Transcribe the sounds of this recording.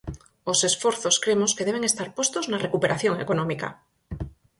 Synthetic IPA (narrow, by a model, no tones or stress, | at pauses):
osesfoɾθoskɾemoskeðeβ̞eŋest̪aɾpwest̪oznarekupeɾʔaθjoŋḛkonõmika̰